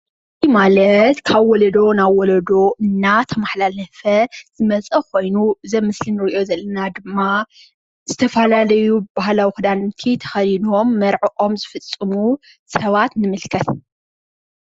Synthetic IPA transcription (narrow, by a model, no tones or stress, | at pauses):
ɨmalɐt̪kʰaβwɔlɐd̪o̞naβwɔlɐd̪o̞ʔɨnːat̪ʰɐmaħlalɐfɐz̥ɨmɐt͡sʼɐkʰo̞jnuzɐmɨslinɨɾiʔo̞zɐlːɐnad̪ɨmːa | z̥ɨt̪ʰɐfɐlalɐjubaɦlawixɨd̪ant̪ʰit̪ʰɐ̥xɐlinomːɐɾʕɨʔo̞mzɨfɨt͡sʼːɨmu | sɐβat̪nɨmɨlkʰɐt̪